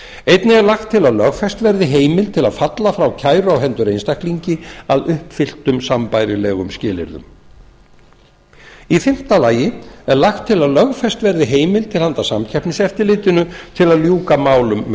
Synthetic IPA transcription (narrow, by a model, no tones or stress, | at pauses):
ejt̪nɪɛɾlaxt̪ʰːɪlaðlœɣfɛst̪vɛɾðɪɦeːjmɪlt̪ʰɪlaðfat̪lafɾawcʰaːjɾʏawɦɛnt̪ʏɾejnst̪ak̪liɲcɪaðʏhpfɪl̥t̪ʏmsampajɾɪlɛːɣʏmscɪːlɪ̰ɾðʏ̰m | ifɪm̥t̪alaːjɪɛɾlaxt̪ʰːɪlaðlœɣfɛst̪vɛɾðɪɦeːjmɪlt̪ʰɪlhant̪asamcʰɛpnɪsɛft̪ɪɾlɪːt̪ɪnʏt̪ʰɪlaðljuːkamaːwlʏmː